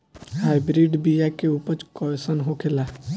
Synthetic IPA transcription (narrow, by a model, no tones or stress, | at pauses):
haːjbɾiɖbijakeupət͡ʃkɔesənɦokʰela